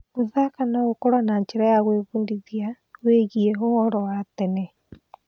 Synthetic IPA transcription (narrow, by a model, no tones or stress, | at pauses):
oðakanaokoɾwanaɲt͡ʃeɾajaɣweβundiðia | weɣiɛoɔɾɔwatɛnɛ